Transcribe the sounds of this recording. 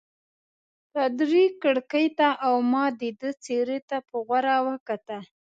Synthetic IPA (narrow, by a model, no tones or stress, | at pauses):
t̪ad̪ɾikəɽkəjt̪aʔawmɑd̪id̪ət͡seɾet̪apəɣwaɾawəkat̪a